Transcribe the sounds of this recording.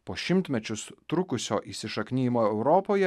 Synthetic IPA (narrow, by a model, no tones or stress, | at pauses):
poːʃʲɪmʲt̪ʲmʲɛt͡ʃʲʊst̪ɾʊkʊsʲo̰ːʔiːsʲɪʃɐkʲnʲiːjmoːɛʊɾɔːpoːjɛ